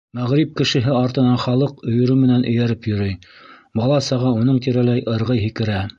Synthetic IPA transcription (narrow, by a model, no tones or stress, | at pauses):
mæʁɾip̚kɘ̆ʃɘ̆ɦɘɑɾt̪ɤ̆nɑnχɑlˠɤqɵ̆jŏɾɵmɘ̆nænʔɵ̆jæɾɘpjɵ̆ɾɵjbɑlˠɑsɑʁɑunɤɴt̪iɾælæjʔɤ̆ɾʁɤjɦikɘ̆ɾæ